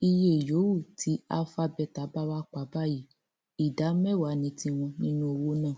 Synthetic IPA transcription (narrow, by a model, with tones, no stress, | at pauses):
i˧je˦˨jo˨˦wu˦˨tʰi˨˦a̰˦fa˧bɛ˧˨ta˨˦ba˦wa˦k͡pa˨˦ba˦ji˨˦ | i˨da˨˦mɛ˦˨wa˨˦nĩ˨˦tĩ˧˦w̃ɔ̃˧nĩ˦nũ˦o˧wo˦nã˦˨